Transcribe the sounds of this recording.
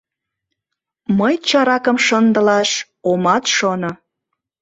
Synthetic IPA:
məjt͡ɕɑɾɑkəmʃənd̪ə̆lɑʃ | omɑt̪ʃono

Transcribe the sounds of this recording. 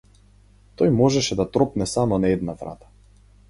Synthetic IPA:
t̪ɔjmɔʒɛʃɛd̪at̪ɾɔpnɛsamɔnaɛd̪̚navɾa̰t̪ḁ

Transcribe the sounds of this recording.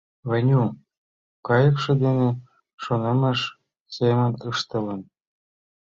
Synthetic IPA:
βɘ̆nʲu | kɑjɤ̆kʃɤ̆d̪enĕ | ʃonemə̆ʃ | semə̆nɯʃt̪ɤ̆lə̆n

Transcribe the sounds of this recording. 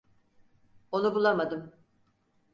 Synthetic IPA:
o̞nubulˠamad̪ɯm

